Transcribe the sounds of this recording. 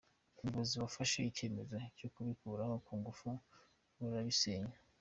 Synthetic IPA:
umboziβafaʃaice̞me̞zocokuβikuːɾahokuːŋɡufu | βaɾaβiseɲa

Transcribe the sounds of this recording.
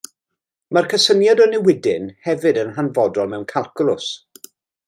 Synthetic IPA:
mərkʰəsənjadɔnɛwɪdɪnhɛvɨdənɦanvɔdɔlˠmɛwnkʰalˠkʰʊlˠʊs

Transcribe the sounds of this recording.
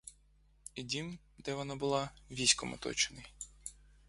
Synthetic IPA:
idʲim | d̪ɛʋɔnɑbʊlˠɑʋʲisʲkɔmɔ̰t̪ɔ̰t͡ʃɪnɐj

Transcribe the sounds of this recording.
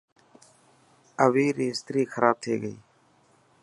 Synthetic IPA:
əʋiːɾiːst̪ɾiːxəɾʔaːb̚t̪ʰeːɡəiː

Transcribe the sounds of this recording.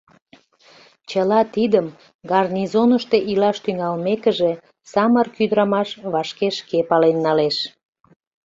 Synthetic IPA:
t͡ɕəlɑt̪id̪əm | ɡɑrnʲizonəʃt̪e̽ʔilɑʃt̪yŋɑlmekəʒe̽ | sɑmərkyd̪əɾɑmɑʃβɑʃkeʃkepɑlenːɑleʃ

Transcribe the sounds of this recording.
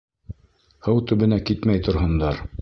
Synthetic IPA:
hɤwt̪ɵ̆βɘ̆nækit̪mæjt̪ŏɾɦɤ̆nd̪ɑɾ

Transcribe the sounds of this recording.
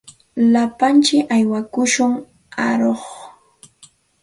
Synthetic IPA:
lapant͡ʃɪajwakʊʃʊŋ | aɾoχ

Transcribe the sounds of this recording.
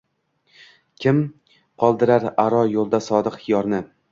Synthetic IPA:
kʲʰɪm | qʰɒlˠd̪ɪɾaɾaɾɒjolˠd̪asɒd̪ɨqhɪjɒɾnɪ

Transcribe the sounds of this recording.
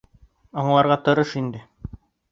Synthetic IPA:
ɒɴlˠɑɾʁɑt̪ŏɾɤʃind̪ɘ

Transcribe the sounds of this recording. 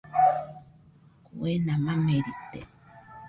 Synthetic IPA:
kuwenamameɾit̪ːḛ

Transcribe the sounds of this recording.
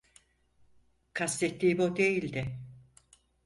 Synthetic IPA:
kʰast̪et̪ːiːbod̪ejilʲd̪ɪ

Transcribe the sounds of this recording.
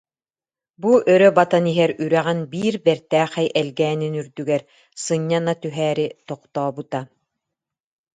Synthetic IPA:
buʔœɾœbat̪aniɦɛɾyɾɛʁɛnbiːɾbɛɾt̪æːχɛjʔɛlɡɛːninyɾd̪yɡɛɾ | sɯɲːanat̪yɦæːɾit̪ɔqt̪ɔːbɯt̪a

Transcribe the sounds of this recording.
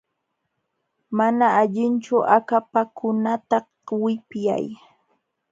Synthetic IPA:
manaːʎɪnt͡ʃʊʔakapakʊnat̪a | wɪpja̰j

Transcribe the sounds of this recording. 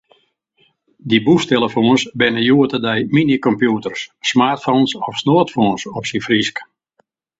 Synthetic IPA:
dibustelˠəfoːnsbɪnəjuətədɛjminikɔmpjutərsːmaːrtfonsɔfsnoətfoːnsɔpsinfrisk

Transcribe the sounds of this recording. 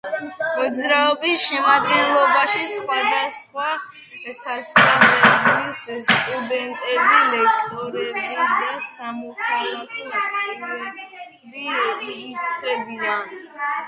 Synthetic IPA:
mɔd̪zɾaɔbisʃɛmad̪ɡɛnlˠɔbaʃisχwad̪asχwa | sasʼaχɛblisst̪ʼud̪ɛnt̪ʼɛbilɛkʰt̪ʼɔɾɛbad̪asamɔkʰalakʰʼɔ | ɛ | biit̪sʰχɛbid̪an

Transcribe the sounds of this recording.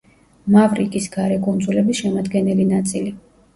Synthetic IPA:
mavɾḭkʼisɡaɾɛkʼund̪zulɛbisʃɛmad̪ɡɛnɛlinat̪sʼili

